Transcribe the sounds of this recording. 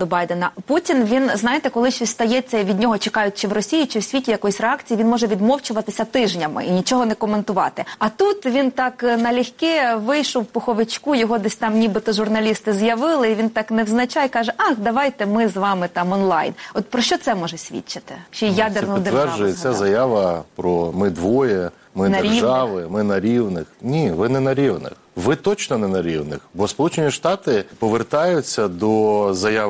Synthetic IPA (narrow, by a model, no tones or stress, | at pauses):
d̪ɔbɑjd̪enɐputʲinʋʲinznɑjet̪ɛkɔlˠɪʃʲʋʲist̪ɐjɛt͡sʲːɐiʋʲid̪ʲnʲɔɦɔt͡ʃekɑjʊtʲt͡ʃɪwrɔsʲijit͡ʃɪwsʲʋʲitʲijɐkɔjsʲreɑkt͡sʲijːʲinmɔʒɛʋʲid̪mɔwt͡ʃʊʋɐt̪ɪsʲɐt̪ɪʒnʲɐmɪ̰inʲit͡ʃɔɦɔnɛkɔment̪ʊʋɑ̰t̪ɪɐt̪ut̪ʋʲint̪ɑknɐlʲixkɛʋɪjʃɔwpɔxɔʋɪt͡ʃkujɔɦɔd̪ɛsʲt̪ɑmnʲibɪt̪ɔʒʊrnɐlʲist̪ɪzjɐʋɪlˠɪiʋʲint̪ɑknɛwznɐt͡ʃɑjkɑʒɛʔɑxd̪ɐʋɑjt̪ɛmɪzʋɑmɪt̪ɑmɔnlˠɑ̰jnɔt̪pɾɔʃt͡ʃɔt̪sɛmɔʒɛsʲʋʲḭt͡ʃːɪt̪ɪt͡ʃjad̪enɔʊt̪ʋɛrʒʊjɛt͡sʲazɐjaʋɐpɾɔmɪd̪ʋɔjɛ | mɪnɐɾʲiʒɑʋɪmɪnɐɾʲiwnɪxnʲiʋɪnɛnɐɾʲiʋnɪ̰xʋɪt̪ɔt͡ʃnɔnɛnɐɾʲiwnɪ̰xbɔspɔlˠut͡ʃenʲiʃt̪ɑt̪ɪpɔʋert̪ɑjʊt͡sʲːɐd̪ɔzɐjaʋ